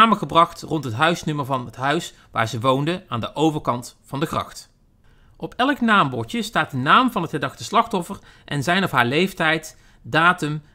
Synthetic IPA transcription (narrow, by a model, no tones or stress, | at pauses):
aːməχəbrɑχtrɔntɦətɦœɥsnʏməɹvɑnətɦœɥs | ʋa̰ːɹzəʋowndəaːndəʔowvəɹkɑntfɑndəkrɑ̰xt | ʔɔpʰɛlˠknaːmbɔɹtəstaːt̚dənaːmvɑnɦətχədɑxtəslɑxtɔfərʔɛ̰nzɛjnɔfɦaːɹlejftɛjt | daːtəm